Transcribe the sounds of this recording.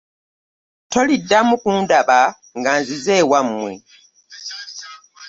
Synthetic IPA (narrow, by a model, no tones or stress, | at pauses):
to̞lidːamukundaβa | ŋɡaːnzize̞ːwamːwe̞̰